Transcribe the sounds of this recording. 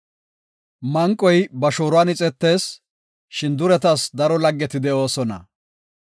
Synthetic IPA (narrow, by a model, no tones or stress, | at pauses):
mɐŋkʼːɔjbɐʃoːɾʊwaːnɪt͡sʼɛt̪ːe̞ːs | ʃɪnd̪ʊɾɛt̪ɐsd̪ɐɾɔlɐɡːɛt̪ɪd̪ɛʔo̞ːsɔnɐ̰